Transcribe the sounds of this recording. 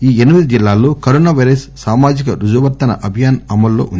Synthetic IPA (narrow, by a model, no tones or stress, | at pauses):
iːenimid̪id͡ʒilːaːloːkɐɾoːnaːʋɐjɾɐssaːmaːd͡ʒikɐɾud͡ʒɐʋɐɾt̪ɐnɐ̰ʔɐbʱijaːnɐmɐlːo̰ːʔund̪